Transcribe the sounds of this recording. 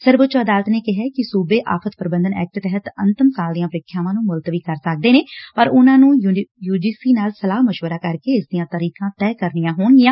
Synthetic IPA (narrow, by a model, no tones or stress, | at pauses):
səɾbʊtːt͡ʃoəd̪aːlət̪neːkɪɦɛːkɪsuːbeːʔa̰ːpʰət̪pəɾbə̃nd̪ənɛ̰ːk̚ʈt̪ɛɦət̪ənt̪əmsaːld̪ɪjãːpəɾɪːkʰːjaːʋãːnũːmʊlt̪ʋiːkəɾsək̚d̪eːneːpəɾʊnãːnũːjuːd͡ʒiːsiːnaːlsəlaːməʃʋəɾaːkəɾkeːɪsd̪ijãːt̪əɾiːkãːt̪ɛːkəɾnijãːɦoːɳɡɪjãː